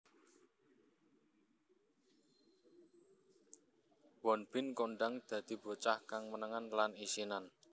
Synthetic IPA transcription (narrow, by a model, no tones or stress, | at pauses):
wɔnb̥ɪnkoɳɖaŋd̪̥ä̤d̪̥i̤bo̤t͡ʃahkaŋmənəŋanlanisinan